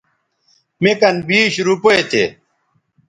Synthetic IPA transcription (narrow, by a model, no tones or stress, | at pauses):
mekɐnbiːɕɾupoet̪ʰḛ